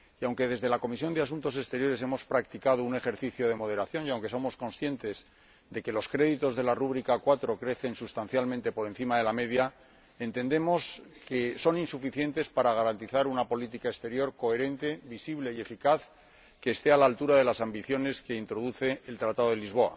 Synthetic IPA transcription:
iawŋke̞ðe̞zðe̞lako̞misjo̞nd̪easunt̪o̞se̞st̪e̞ɾjo̞ɾe̞s̬e̞mo̞spɾakt̪ikaðoune̞xe̞ɾθiθjo̞ð̞e̞mo̞ðe̞ɾaθjo̞njawŋke̞so̞mo̞sko̞nsθje̞nt̪e̞z | d̪e̞ke̞lo̞skɾe̞ðit̪o̞zðe̞laruβ̞ɾikakwat̪ɾo̞kɾe̞θe̞nsust̪an̟θjalmẽnt̪e̞po̞ɾe̞nθimaðe̞lame̞ðja | e̞nt̪e̞nd̪e̞mo̞skeso̞ninsufiθje̞nt̪e̞spaɾaɣ̞aɾant̪iθaɾunapo̞lit̪̬ikaest̪e̞ɾjo̞ɾko̞e̞ɾe̞nt̪e̞βisiβle̞ie̞fikaθ | ke̞ːst̪e̞alaːlt̪uɾaðe̞lasambiθjo̞ne̞ske̞int̪ɾo̞ðuθe̞ːlt̪ɾat̪aðo̞ðelizβo̞a̰

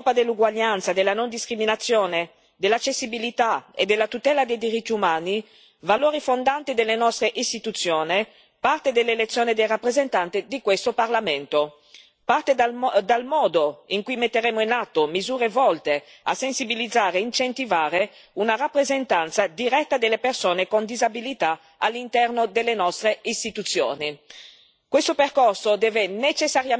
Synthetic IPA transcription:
pad̪elːuɡwaʎːant̪sad̪elːanond̪iskɾiminat̪sːjoːne | d̪elːat͡ʃːesːibilit̪aḛd̪elːat̪ut̪ɛːlad̪ejd̪iɾit̪ːiumaːni | valoːɾifond̪ant̪id̪elːenɔst̪ɾeʔist̪it̪ut̪sːjoːne | part̪ed̪elːelet̪sːjoːned̪ejrapːɾezent̪ant̪id̪ikwest̪oparlament̪o | part̪ed̪almɔːd̪oiŋkujmet̪ːeɾeːmoinat̪ːomizuːɾevɔlt̪e | a̰sensibilid̪zaːɾeɛint͡ʃent̪ivaːɾe | unarapːɾezent̪ant̪sad̪iɾɛt̪ːad̪elːepersoːnekond̪izabilit̪a | alːint̪ɛrnod̪elːenɔst̪ɾeist̪it̪ut̪sːjo̰ːni | kwest̪operkorsod̪ɛːvenet͡ʃesːaɾja

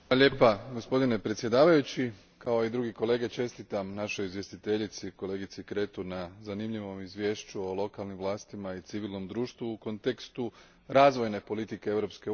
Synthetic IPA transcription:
ʎeːpaɡo̞spo̞d̪ine̞pɾet̪sje̞d̪aːʋajut͡ɕi | kaoid̪ɾuɡiko̞le̞ːɡe̞t͡ʃe̞st̪it̪amnaʃo̞jizʋje̞st̪it̪e̞ʎit̪siko̞le̞ːɡit̪sikɾe̞ːt̪unazanimʎiʋo̞mizʋje̞ːʃt͡ɕuo̞lˠo̞kalnimʋlˠaːst̪imait̪siʋiːlno̞md̪ɾuːʃt̪ʋuːko̞nt̪e̞kst̪u | ɾaːzʋo̞jne̞po̞lit̪ikeeʋɾo̞pske̞

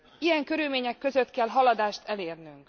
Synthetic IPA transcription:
ijɛŋkø̞ɾylmeːɲɛkːø̞zøt̪kɛlɦɒlɒd̪aːʃt̪ʰɛleːrnyŋk

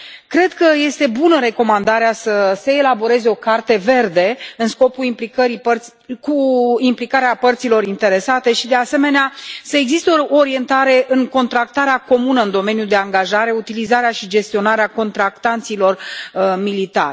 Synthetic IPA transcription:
kɾe̞d̪kəje̞st̪e̞bunəɾe̞ko̞mand̪aɾeasəseːlabo̞ɾe̞zeo̞kart̪e̞ve̞rd̪e̞ɨnsko̞puimplikəɾipərt̪ikuimplikaɾeapərt̪silo̞ɾint̪e̞ɾe̞sat̪e̞ʃid̪e̞ase̞me̞neasəe̞ɡzist̪eooɾie̞nt̪aɾe̞ʔɨŋko̞nt̪ɾak̚t̪aɾeako̞munəɨnd̪o̞me̞njud̪e̞aŋɡaʒaɾe̞ut̪ilizaɾeaʃid͡ʒe̞st̪io̞naɾeako̞nt̪ɾakt̪ant̪silo̞rmilit̪a̰rʲ

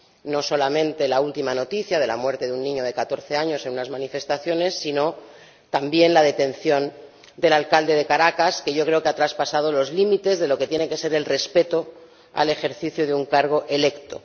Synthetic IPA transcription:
no̞so̞lamẽ̞nt̪e̞lault̪imano̞t̪iθjað̞e̞lamwe̞ɾt̪e̞ðeunːĩɲo̞ð̞e̞kat̪o̞ɾθe̞aɲo̞se̞nunazmanife̞st̪aθjo̞ne̞sːino̞ | t̪ambje̞nlað̞e̞t̪ẽ̞nθjo̞n | d̪e̞lalkald̪e̞ðe̞kaɾakaske̞ʝo̞kɾe̞o̞keat̪ɾaspasað̞o̞lo̞zlimit̪e̞zðe̞lo̞ket̪jene̞ŋke̞se̞ɾe̞lre̞spe̞t̪o̞ | a̰le̞xe̞ɾθiθjoðeuŋkaɾɣ̞o̞ʔe̞le̞kt̪o̞̰

